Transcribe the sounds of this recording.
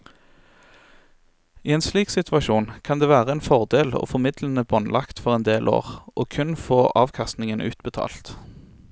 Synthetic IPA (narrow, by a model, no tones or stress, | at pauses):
iːeːnsliːksɪt̪ʰʋɑʃuːnkʰɑnd̪eːʋæːʁəɛːnfɔʁd̪eːlo̰ːfɔmɪd̪lən̩əbɔnlʔɑkt̪fɔʁɛnd̪eːlʔo̰ːʁʔoːkʰʉnfoːʔɑːʋkʰɑst̪nɪŋənʔʉ̰ːt̪bət̪ʰɑ̰ːlt̪